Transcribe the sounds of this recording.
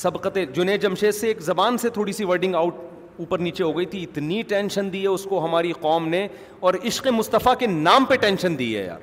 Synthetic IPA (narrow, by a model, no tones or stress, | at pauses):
sɐbqət̪ed͡ʒʊneːd͡ʒɐmʃeːseːkzɐbaːnset̪ʰoːɽisiʋɐɾɖɪ̃ŋɡaːʊʈ̚ | uːpəɾniːt͡ʃeɦoːɡɐit̪ʰiɪt̪niʈɛ̃ːnʃənd̪iːɦɛʊskoɦɐmaːɾiqɔːmne | ɔːɾɪʃqemʊst̪əfakenaːmpeʈɛ̃ːnʃənd̪ḭːɦɛ̰ja̰ːɾ